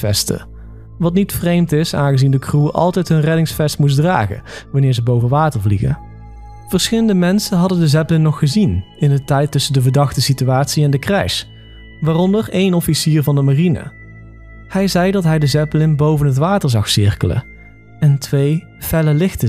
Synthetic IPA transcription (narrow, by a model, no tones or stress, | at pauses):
fɛ̰stə̰ | ʋɑtnitfrejmtɪsa̰ːnɣəzindəkruʔɑ̰lˠtɛjtɦɵnrɛdɪŋsfɛstmus̬dra̰ːɣə̰ʋɑnɪːɹzəbowvənʋaːtəɹvliɣə̰ | v̥əɹsxɪləndəmɛnsənɦɑdəndəzɛplɪnnɔχːəzin | ɪndətɛjtɵsəndəvəɹdɑxtəsityaːtsiɛndəkrɛ̰js | ʋaːrɔndəɹejnɔfisiːɹvɑndəmarinə̰ | hɛjzɛjdɑtɦɛjdəzɛplɪnbowvənɦətʋaːtəɹzɑxsɪɹkələ̰ | ɛntʋej | fɛləlɪxtə